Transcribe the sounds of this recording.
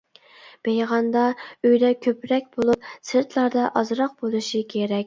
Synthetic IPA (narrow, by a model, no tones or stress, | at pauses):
b̥ejʁɑnd̪ɑøjd̪ɛkʲʰøpɾɛkʲbolˠup̚sɨɾt̪ʰlˠɑɾd̪ɑʔɑzɾɑq̚bolˠuʃikʲʰeɾɛkʲ